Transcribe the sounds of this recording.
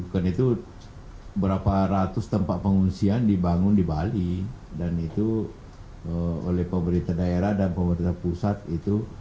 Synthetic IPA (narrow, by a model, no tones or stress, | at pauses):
ukanit̪u | bəɾapaɾat̪ʊst̪əmpaʔ̪̚pəŋunsiandibaŋʊndibalidanit̪u | əo̰lɛhpəməɾint̪adaeɾahdanpəməɾint̪apusat̪̚it̪u